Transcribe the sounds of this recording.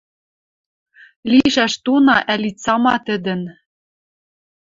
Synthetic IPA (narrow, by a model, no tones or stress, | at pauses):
liʃæʃt̪unɑʔælit͡sɑmɑt̪ɘ̆d̪ɘ̆n